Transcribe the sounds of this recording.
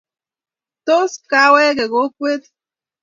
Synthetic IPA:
to˦ska˦we˦ɣe˨ɣo˨˦kʷe˦t̚

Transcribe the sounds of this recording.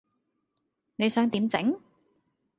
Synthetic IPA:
ne˨˧jsœː˨˥ŋt̪iː˨˧˥mt͡sɪ̰˨˥ŋ

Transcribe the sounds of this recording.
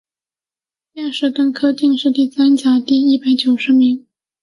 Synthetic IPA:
ja˥˧ʂɻ̩˥˩t̪ə˥nkʰɤ˥t̪i˥˧ŋʂɻ̩˥˧t̪i˥˩sa˥nt͡ɕja˨˩t̪i˥˧i˥˩pa˨˩˥ɪt͡ɕjo˨˩ʊʂɻ̩˧˥mi˧˥ŋ

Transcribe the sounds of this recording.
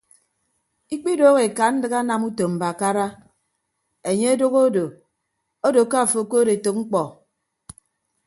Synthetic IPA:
i˦k͡pi˦doː˦ɣe˨ka˨n̩˦dɨ˦ɣa˦na˨mu˦to˨m̩˨ba˨a˨ka˦ɾa˦ | e˨ɲe˦e˦do˦ɣo˦do˨ | o˦do˨ka˦˨fo˨˦˨ko˦de˨to˨k̚ŋ͡m̩˦k͡pɔ˨

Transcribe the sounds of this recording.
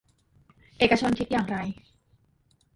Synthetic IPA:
ʔeː˨˩ka˧t͡ɕʰo˧nkʰi˦˥t̪̚jaː˨˩ŋɾa˧j

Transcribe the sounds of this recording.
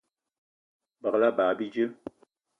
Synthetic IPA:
bə˨kla˦baː˨bi˦d͡ʒɨ˦

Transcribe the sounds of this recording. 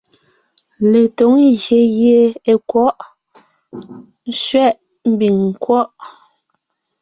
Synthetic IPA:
le˨to˨˦ŋɣje˨˦je˦e˨kwɔ˦ʔ | n̩˦ʃɥɛ˦˨ʔ | m̩˦bi˨ŋŋ̩˨kwɔ˦ʔ

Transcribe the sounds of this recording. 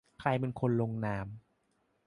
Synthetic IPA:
kʰɾa˧jpe˧nkʰo˧nlo˧ŋnaː˧m

